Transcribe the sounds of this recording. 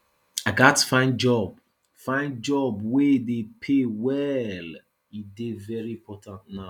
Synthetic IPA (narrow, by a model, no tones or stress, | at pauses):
aɪɡatːə̥fãɪ̃nd͡ʒɔb | fãɪ̃nd͡ʒɔbweidepʰewɛl | idevɛɹiĩmpʰɔtʰãntnaʊ